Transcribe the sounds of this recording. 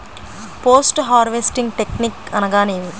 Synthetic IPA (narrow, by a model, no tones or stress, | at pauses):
poːsʈɦaːɾʋesʈiŋɡʈeknikɐnɐɡaːneːni